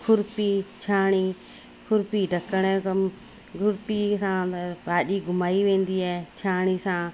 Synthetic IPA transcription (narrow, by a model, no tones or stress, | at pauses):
kʰʊɾpit͡ɕʰaːɽ̃i | kʰʊɾpiɖʱɐkəɽ̃kəm | ɡʱʊɾpisãbaːɗiɡʱʊmaːiʋẽːn̆d̪iaːet͡ɕʰaːɽ̃isãː